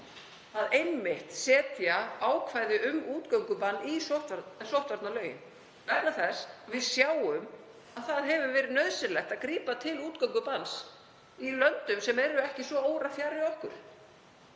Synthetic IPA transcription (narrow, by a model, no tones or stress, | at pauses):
aðejmːɪht̪sɛːt̪jaaːwkʰvaːjðɪʔʏmuːt̪kœŋkʏpanːisoht̪sowht̪vaɾt̪nalœːɥjɪ̰n | vɛt̪naθɛsvɪðsjaːwʏm | aðθaðɦɛvʏvɛːɾɪðnœðsɪlɛht̪aðkɾiːpat̪ʰɪluːt̪kœwŋkʏpans | ilœnt̪ʏmsɛmɛɾʏɛhcɪsvɔoːwɾafjarɪɔhkʏ̰ɾ̥